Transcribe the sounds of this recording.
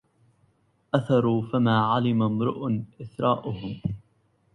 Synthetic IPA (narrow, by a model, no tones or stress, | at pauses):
ʔaθɑɾˤuːfamaːʕalɪmamɾʊ̰ʔʊnʔɪθɾˤɑːʔʊhʊm